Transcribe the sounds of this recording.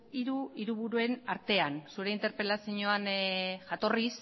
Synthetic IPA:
iɾuiɾuβuɾue̞naɾt̪e̞ansuɾe̞int̪e̞ɾpelasiɲo̞anʝat̪o̞ris

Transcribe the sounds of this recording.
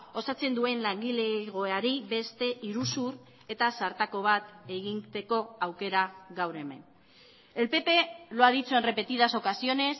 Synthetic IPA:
o̞sat͡se̞nd̪ue̞nlaŋɡile̞ɣ̞o̞eaɾiβe̞st̪e̞ʔiɾusur | e̞t̪asaɾt̪ako̞βat̪e̞ɣint̪e̞ko̞awke̞ɾaɣawɾe̞me̞̰n | e̞lpe̞pe̞loaðit͡sue̞nre̞pe̞t̪iðaso̞kasio̞ne̞s

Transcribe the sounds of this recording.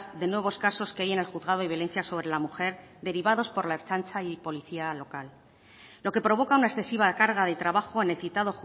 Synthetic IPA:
zðe̞nwe̞β̞o̞skaso̞skeaje̞ne̞lxuðɣað̞oiβjole̞n̟θjaso̞β̞ɾe̞lamuxe̞ɾ | d̪e̞ɾiβ̞aðo̞spo̞ɾlae̞ɾt͡ʃant͡ʃaipo̞liθialo̞kalː | o̞ke̞pɾo̞β̞o̞kaunaesθe̞siβ̞akaɾɣaðe̞t̪ɾaβaxo̞e̞ne̞lθit̪að̞o̞xu

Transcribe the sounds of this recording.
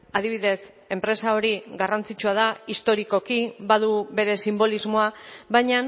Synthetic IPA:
að̞iβ̞iðe̞s | e̞mpɾe̞sao̞ɾiɣarant͡sit͡ʃuað̞aist̪o̞ɾiko̞kiβaðuβe̞ɾe̞simbo̞lizmo̞aβajɲa

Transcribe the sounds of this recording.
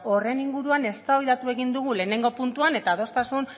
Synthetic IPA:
o̞re̞niŋɡuɾuane̞st̪aβiðat̪ue̞ɣind̪uɣ̞ule̞ːne̞ŋɡo̞punt̪uane̞t̪aːðo̞st̪asun

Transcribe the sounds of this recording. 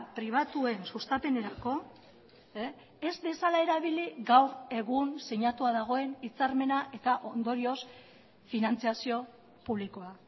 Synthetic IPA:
pɾiβ̞at̪ue̞nsust̪ape̞ne̞ɾako̞ | e̞zd̪e̞salae̞ɾaβ̞iliɣawɾe̞ɣunse̞ɲat̪uaðaɣ̞o̞e̞nit͡saɾme̞naʔe̞t̪aʔo̞nd̪o̞ɾio̞s | finant͡siasio̞ | puβ̞liko̞a

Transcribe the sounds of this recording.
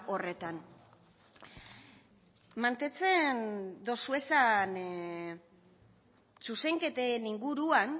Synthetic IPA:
o̞re̞t̪an | mant̪e̞t͡se̞nd̪o̞sue̞san | suse̞ŋke̞t̪eniŋɡuɾuan

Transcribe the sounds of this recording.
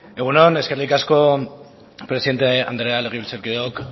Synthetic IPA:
e̞ɣunone̞skerlikasko̞ | pɾesiðe̞nt̪ea̰nd̪ɾeale̞ɣeβilseɾkiðeok

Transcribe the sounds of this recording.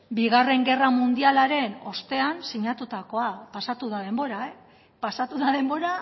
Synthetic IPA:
biɣare̞ŋɡe̞ramund̪ialaɾe̞no̞st̪e̞ansiɲat̪ut̪ako̞apasat̪uðað̞e̞mbo̞ɾae | pasat̪uðaðe̞mbo̞ɾa

